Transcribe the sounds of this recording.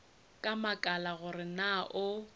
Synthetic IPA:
kʼamakʼalaɣʊrɪnaʔʊ

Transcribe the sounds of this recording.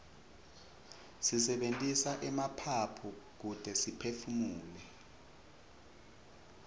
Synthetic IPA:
sisɛɓentʼisaʔɛmapʰapʰuk̬ud̥ʱɛsipʰefumuːlɛ

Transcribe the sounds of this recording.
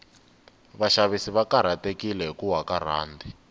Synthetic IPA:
βaʃaβisiβakaɾ̤atekilɛɦikuwakaɾa̰ːndʱi

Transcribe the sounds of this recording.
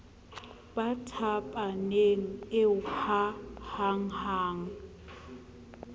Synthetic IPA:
batʰapʼaneŋ̩ɪʊhʰahaŋ̩haːŋ̩

